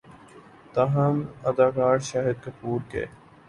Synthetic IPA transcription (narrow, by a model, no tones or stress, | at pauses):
t̪ɐɦɐmɐd̪aːkaːɾʃaːɦɪd̪̚kɐpuːɾkḛː